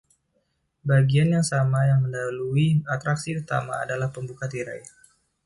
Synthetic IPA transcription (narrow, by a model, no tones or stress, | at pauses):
baɡianjaŋsamajaŋməndaluiat̪ɾaksiurt̪a̰ma̰ːdalahpəmbukat̪iɾa̰j